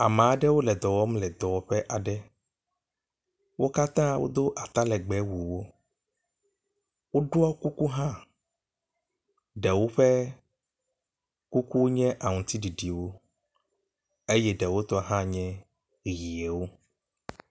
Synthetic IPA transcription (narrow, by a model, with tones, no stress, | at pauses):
a˨m˨a˨ɖɛ˦wo˦lɛ˨d̪ɔ˨wɔ˦mlɛ˨d̪ɔ˨wɔ˨ɸɛ˦ʔa˨ɖɛ˦ | wo˦ka˦t̪ã˦wʔo̰˦d̪o˦ʔa˨t̪a˦lɛ˨ɡ͡bɛ˨˦wu˨wo˦ | wo˦ɖo˦a˦ku˦ku˦ɦã˦ | ɖɛ˨wo˦ɸɛ˦ | ku˦ku˦ɲɛ̃˦ʔa˨ŋũ˨t̪i˦ɖi˨ɖi˨wo˦ | e˦jɛ˦ɖɛ˨wo˦t̪ɔ˦ɦã˦ɲɛ̃˦ | ɣi˨e˨wo˦